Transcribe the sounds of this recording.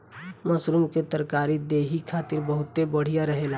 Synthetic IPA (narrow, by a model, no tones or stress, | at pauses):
mɐsɾumket̪əɾkaːɾid̪eːɦikʰaːt̪ɪɾbəɦʊt̪ːebəɽ̤ijaɾɐɦeːla